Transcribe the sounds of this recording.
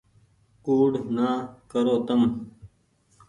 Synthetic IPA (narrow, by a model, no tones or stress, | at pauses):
uːɖnaːkɐɾoːt̪ɐm